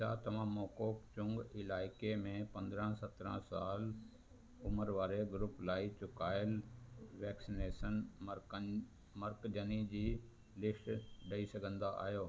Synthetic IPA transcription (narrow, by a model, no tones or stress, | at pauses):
sa̰t̪ɐʋ̤ãmɔːkoːkt͡ɕʊ̃ŋɡɪlaːɪkemẽpɐ̃nd̪ɾə̃sɐt̪ɾə̰̃saːl | ʊməɾʋaːɾeɡʊɾʊplaːit͡ɕʊkaːɪlʋɛːksineːʃən | mɐɾkd͡ʑʱənid͡ʑiː | lɪsʈɗɐisɐɡʱə̃nd̪aʔa̰ːɦijoː